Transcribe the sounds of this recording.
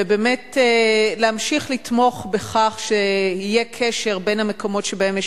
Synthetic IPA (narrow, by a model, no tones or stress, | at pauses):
ebeːmetleamʃiχlitmo̞χbeχaχʃeijekʰeʃe̞ʁbe̞nhame̞ko̞mo̞tʃebaemje